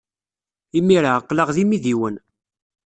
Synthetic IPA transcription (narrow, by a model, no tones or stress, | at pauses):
imːiɾaqːləʁðimiðiwən